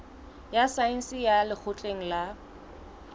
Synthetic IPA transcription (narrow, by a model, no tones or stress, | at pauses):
jasain̩sijalɪk͡xʰʊt͡ɬʼeŋ̩la